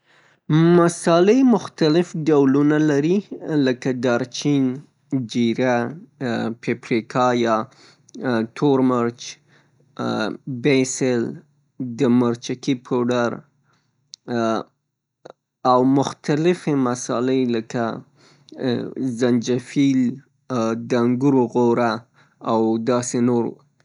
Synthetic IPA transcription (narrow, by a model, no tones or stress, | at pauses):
masɑləmʊxt̪alɪfɖawlunalaɾiləkad̪ɑɾt͡ʃin | d͡ʒiɾa | pepɾikʰɑjɑ | t̪ʰoɾməɾt͡ʃ | besɪl | d̪əməɾt͡ʃakipʰoɖaɾ | awmʊxt̪alɪfemasɑ̰lələka | zand͡ʒafil | d̪aŋɡuɾoɣoɾa | awd̪ɑsenoɾw̰